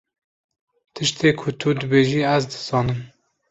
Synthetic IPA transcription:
t̪ʰɨʃt̪ʰeːkʰʊt̪ʰud̪ɨbeːʒiːæzd̪ɨ̥z̥ɑːnɨm

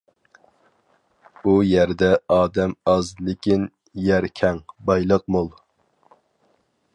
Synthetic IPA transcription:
ujæɾd̪ɛɑːd̪ɛmɑzlɪkʲɪn | jæɾkʲʰɛŋbɑjlˠəq̚molˠ

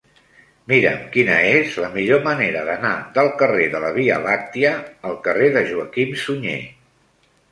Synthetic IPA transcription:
miɾə̰mkinəezləmiʎoməneɾəðənaðəlˠkəreðələβ̞iə̰lak̚t̪iəːlˠkəreðəʒuəkimsuɲḛ

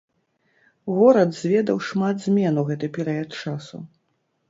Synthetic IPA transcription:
ɣɔɾɐd̪zʲvʲɛd̪ɐwʂmad̪zʲmʲɛnuwɣɛt̪ɨpʲɛɾɨjɐt̪̚t͡ʂasṵ

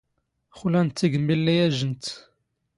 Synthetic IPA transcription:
χulænt̪ːiɡəmːilːijæʒənt̪

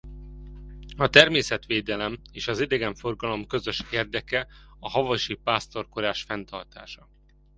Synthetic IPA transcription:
ɒt̪ɛrmeːsɛt̪ʋeːd̪ɛlɛmeːʃɒzid̪ɛɡɛɱfo̞rɡɒlo̞mkø̞zø̞ʃeːrd̪ɛkɛɒɦɒvɒʃipaːst̪o̞rkoɾaːʃfɛnt̪ɒrt̪a̰ːʃɒ

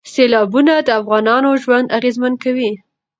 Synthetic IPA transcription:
selɑbunad̪əafɣɑnɑnoʒwand̪aɣezmankawi

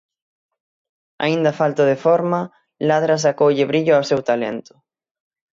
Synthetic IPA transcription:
a̰ind̪ɐfalt̪oðefɔɾmɐ | laðɾas̬akowʎeβɾiʎʊawsewt̪alḛnt̪ʊ̥

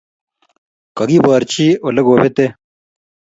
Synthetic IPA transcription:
kɐɡibaːɾt͡ɕioleɡoːbet̪e

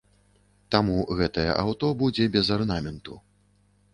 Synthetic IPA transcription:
t̪amuɣɛt̪ɐjɛ̰ʔawt̪ɔbud͡zʲɛbʲɛzɐrnamʲɛnt̪u

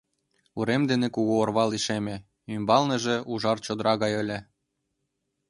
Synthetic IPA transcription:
uɾemd̪enekuɣoorβɑliʃemʲe | ymbɑlnĕʒĕʔuʒɑrt͡ɕod̪əɾɑɣɑjə̆lʲĕ

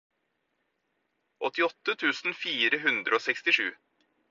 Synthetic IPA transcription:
ʔɔt̪ɪɔt̪ːət̪ʰʉːsn̩fiːɾəɦʉnd̪ɾəoːsɛkst̪ɪʂʉː

